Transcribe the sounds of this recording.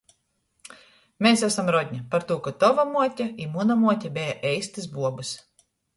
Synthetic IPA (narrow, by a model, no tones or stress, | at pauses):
mesæsamɾɔdʲɲʲapaɾt̪uːkat̪ɔvamuɔtʲaimunamuɔt̪ʲabʲɛjaʔɛjst̪ɨsbuɔbɨs